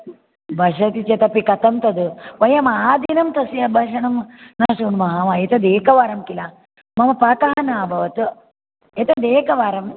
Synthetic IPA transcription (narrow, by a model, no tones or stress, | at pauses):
bʱɐʂɐt̪it͡ʃɐt̪ɐpikɐt̪ɐmt̪ɐd̪uʋɐjɐmaːd̪inɐmt̪ɐsiɐbʱaːʂɐɳɐmnaːʂunmɐɦaʋaet̪ɐd̪eːkɐʋaːɾɐmkila | mɐmɐpaːk̪aɦɐnaːbʱɐʋɐt̪u | et̪ɐd̪eːkɐʋaːɾɐm